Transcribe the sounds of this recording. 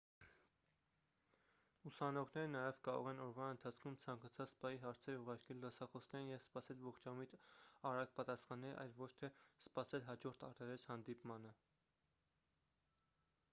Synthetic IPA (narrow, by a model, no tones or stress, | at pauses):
usɑnɔʁnɛɾənɑjɛvkɑɾɔ̰ʁɛnɔɾvɑənt̪ʰɑt͡sʰkʰumt͡sʰɑŋkɑt͡sʰɑt͡sspɑjiɦɑɾt͡sʰɛɾuʁɑɾkʰɛlːəsɑχɔsnɛɾnjɛvspɑsɛlvɔχt͡ʃɑmit̪ɑɾɑk̚pɑt̪ɑsχɑnɛlɑ̰jlvɔt͡ʃʰt̪ʰɛspɑsɛlɦɑd͡ʒɔɾt̪ʰɑ̰ɾt̪ɛɾɛshɑnd̪ipmɑnə